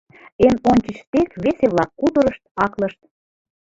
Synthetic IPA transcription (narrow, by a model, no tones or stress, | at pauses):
emonʲt͡ɕit͡ɕt̪ekβeseβlɑkːud̪ə̆ɾəʃt̪ɑklɤ̆ʃt̪̚